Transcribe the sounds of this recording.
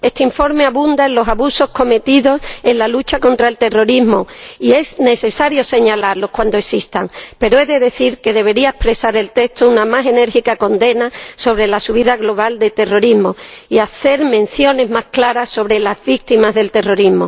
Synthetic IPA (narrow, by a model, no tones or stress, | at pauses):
est̪eiɱfo̞ɾme̞aβũnd̪aenlo̞saβuso̞sko̞me̞t̪iðo̞se̞nlalut͡ʃako̞nt̪ɾae̞lt̪e̞ro̞ɾizmoie̞zne̞θe̞saɾjo̞se̞ɲalaɾlo̞hkwand̪oesist̪aŋpe̞ɾoe̞ðe̞ðe̞θiɾke̞ðe̞βe̞ɾiae̞hpɾe̞saɾe̞lt̪e̞st̪ounamase̞ne̞ɾxikako̞nd̪e̞naso̞βɾe̞lasuβiðaɣlo̞β̞ald̪e̞t̪e̞ro̞ɾizmo̞iaθe̞ɾmẽn̟θjo̞ne̞zmahklaɾasːo̞β̞ɾe̞lazβik̚t̪imazðe̞lt̪e̞ro̞ɾizmo